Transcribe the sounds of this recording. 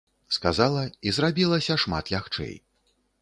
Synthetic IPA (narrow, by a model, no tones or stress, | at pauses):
skazalˠɐizrabʲilˠɐsʲɐʂma̰t̪lʲaxt͡ʂɛ̰j